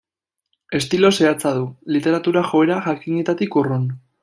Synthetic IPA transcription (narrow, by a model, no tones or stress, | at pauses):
e̞st̪ilo̞se̞at͡saðulit̪e̞ɾat̪uɾaʝo̞e̞ɾaʝakiɲet̪at̪ikurun